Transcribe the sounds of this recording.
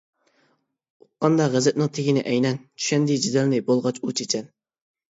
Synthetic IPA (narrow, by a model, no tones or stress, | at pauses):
uqːɑnd̪ɑʁɛzɛt̪̚nɨŋt̪ʰeɡʲinɪʔɛjnɛnt͡ʃʰy̥ʃɛnd̪id͡ʒid̪ɛlnɪbolˠʁɑt͡ʃut͡ʃʰet͡ʃʰɛn